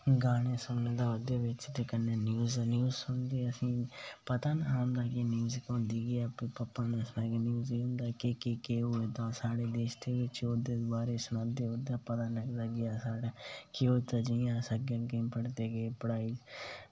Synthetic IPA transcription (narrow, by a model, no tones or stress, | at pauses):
ɡaːɽ̃esʊnnẽːd̪aːʋəd̪jeːʋɪt͡ʃt̪ekənːeːnjuːznjuːzsʊnd̪eːəsĩːpət̪aːnaːnd̪aːkinjuːzkõnd̪iːɡiaːpipɐpːaːnẽsnaːkenjuːzeɦʊ̃nd̪aːkekikeːuet̪ãːsaːɽeːd̪eːʃd̪eːʋɪt͡ʃod̪eːd̪ʋaːɾesʊnad̪eːʊd̪aːpət̪aːnləɡd̪aːɡɪjaːsaːɽaːkɪot̪ad͡ʒijãːsəɡənkẽmpəɽt̪eːɡeːpɽaːid͡ʒ